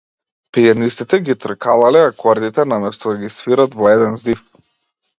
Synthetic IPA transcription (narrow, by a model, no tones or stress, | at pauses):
pianist̪it̪ɛɡit̪r̩kʰalˠalɛakʰɔɾd̪it̪ɛnamɛst̪ɔd̪aɡʲisfiɾat̪vɔɛd̪ɛnzif